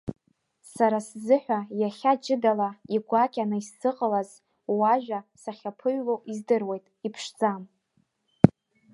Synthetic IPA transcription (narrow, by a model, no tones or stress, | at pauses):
saɾaszɨħᶣʷajaχʲad͡ʒʼɪdalaiɡʷakʲʼanaisːɨqʼəlaz | waʒᶣasaχʲapʰɨɥlowizdɨrwe̞jtʼipʰʂd͡zam